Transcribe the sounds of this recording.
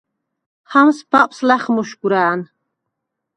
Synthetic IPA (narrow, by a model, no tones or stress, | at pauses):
hamsbapʼslaχmuʃɡuɾaːn